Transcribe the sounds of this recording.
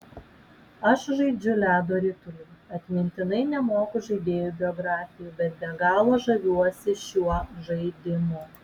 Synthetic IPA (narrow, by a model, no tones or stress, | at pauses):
ɐʃʒɐɪd͡ʒʲʊlʲæːd̪oːɾʲɪt̪ʊlʲʊɐt̪ʲmʲɪnʲt̪ʲɪnɐɪnʲɛmoːkʊʒɐɪd̪ʲeːjubʲɪɔɡɾɑːfʲɪjuːbʲɛt̪̚bʲɛɡɑːlˠoːʒɐʋʲuɔsʲɪʃʲuɔʒɐɪd̪ʲɪmo